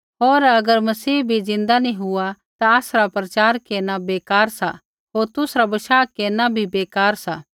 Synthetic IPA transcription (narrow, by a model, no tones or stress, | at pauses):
ɦoːɾɐɡəɾmɐsiːbʱizɪ̃nd̪anĩɦʊa | t̪aasɾapɾɐt͡ʃaːɾkeːnabeːkaːɾsa | ɦoːɾt̪ʊsɾabɐʃaːkeːnabʱibeːkaːɾsa